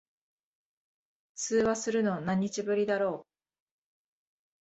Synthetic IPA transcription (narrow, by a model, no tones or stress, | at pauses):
sɨːβasɨɾɯ̟no̞nãɲ̟ːit͡ɕibɯ̟ɾʲid̪aɾo̞ː